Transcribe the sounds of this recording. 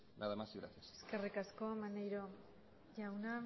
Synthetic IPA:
naðamasiɣɾaθjaseske̞rikasko̞manejɾo | ʝawna

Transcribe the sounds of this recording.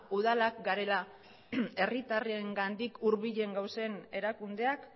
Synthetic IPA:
uðalakɡaɾe̞la | e̞rit̪arieŋɡand̪ikuɾβiʎe̞ŋɡawse̞ne̞ɾakund̪e̞ak

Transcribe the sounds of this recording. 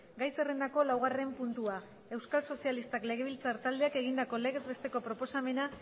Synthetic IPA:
ɡajse̞re̞nd̪ako̞lawɣ̞are̞mpunt̪ua | e̞wskalso̞sialist̪akle̞ɣ̞e̞β̞ilt͡saɾt̪ald̪eakeɣ̞ind̪ako̞le̞ɣe̞zβe̞st̪e̞ko̞pɾo̞po̞same̞na

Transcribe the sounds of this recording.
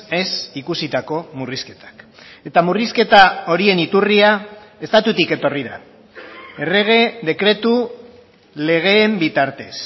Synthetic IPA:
e̞sikusit̪ako̞muriske̞̥t̪ḁke̞t̪amuriske̞t̪ao̞ɾie̞nit̪uriae̞st̪at̪ut̪ike̞t̪o̞riða̰ | e̞re̞ɣ̞e̞ðe̞kɾe̞t̪u | le̞ɣ̞e̞ːmbit̪aɾt̪e̞s

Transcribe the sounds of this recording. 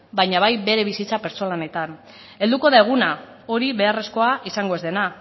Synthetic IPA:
bajɲaβajbe̞ɾe̞β̞isit͡sape̞ɾt͡solane̞t̪an | e̞ld̪uko̞ðae̞ɣ̞una | o̞ɾiβe̞are̞sko̞aisaŋɡo̞e̞zðe̞na

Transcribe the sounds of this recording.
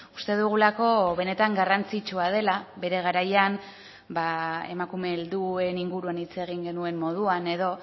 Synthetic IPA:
u̥st̪e̞ðuɣ̞ulako̞βe̞ne̞t̪aŋɡarant͡sit͡ʃuað̞e̞laβe̞ɾe̞ɣ̞aɾajan | bae̞̰makume̞ːld̪ue̞niŋɡuɾuanit͡se̞ɣ̞iŋɡe̞nue̞mːo̞ð̞uane̞ðo̞

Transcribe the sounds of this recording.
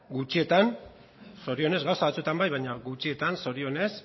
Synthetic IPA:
ɡut͡ʃie̞t̪an | so̞ɾio̞ne̞zɡawsaβat͡suet̪ambajβajɲaɡut͡ʃie̞t̪anso̞ɾio̞ne̞s

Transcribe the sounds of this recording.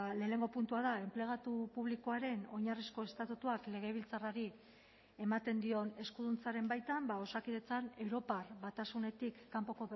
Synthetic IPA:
le̞ːne̞ŋɡo̞punt̪uaðae̞mple̞ɣ̞at̪upuβlikoaɾe̞no̞ɲarisko̞e̞st̪at̪ut̪uakle̞ɣ̞e̞β̞ilt͡saraɾi | e̞mat̪e̞nd̪io̞ne̞skuðunt͡saɾe̞mbajt̪ambao̞sakiðe̞t͡sane̞wɾo̞parβat̪asune̞t̪ikːampo̞ko̞

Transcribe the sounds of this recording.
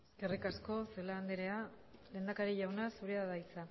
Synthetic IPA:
ɡerikasko̞se̞laːnd̪eɾea | le̞ːnd̪akaɾiʝawnasuɾeaðait͡sa

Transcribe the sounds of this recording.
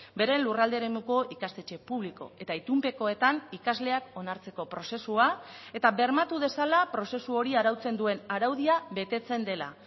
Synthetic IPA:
be̞ɾe̞nlurald̪eɾe̞muko̞ikast̪e̞t͡ʃe̞puβ̞liko̞̰e̞t̪ait̪umpe̞ko̞e̞t̪anikazle̞ako̞naɾt͡se̞ko̞pɾo̞se̞suae̞t̪aβe̞ɾmat̪uð̞e̞salapɾo̞se̞suo̞ɾiaɾawt͡se̞nd̪ue̞naɾawðiaβe̞t̪e̞t͡se̞nd̪e̞la̰

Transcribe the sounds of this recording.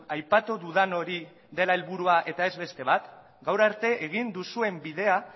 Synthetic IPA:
ajpat̪uðuðano̞ɾi | ðe̞laelβuɾuaʔe̞t̪ae̞zβe̞st̪e̞βat̪ | ɡawɾaɾt̪e̞ʔeɣ̞ind̪usue̞mbiðe̞a

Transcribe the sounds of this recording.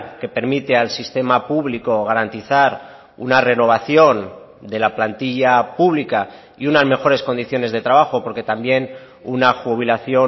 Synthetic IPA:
ke̞pe̞ɾmit̪ealsist̪e̞mapuβliko̞ɣ̞aɾant̪iθaɾ | ṵnare̞no̞β̞aθjo̞n | d̪e̞laplant̪iʎapuβ̞lika | iunazme̞xo̞ɾe̞sko̞nd̪iθjo̞ne̞zðe̞t̪ɾaβaxo̞po̞ɾke̞t̪ambje̞n | unaxuβ̞ilaθjo̞

